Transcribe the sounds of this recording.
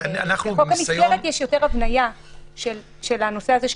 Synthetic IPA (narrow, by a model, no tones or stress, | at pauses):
naχeokamielet̪jɛʃjo̞te̞ʁavnaja | ʃel | ʃelano̞seazeʃ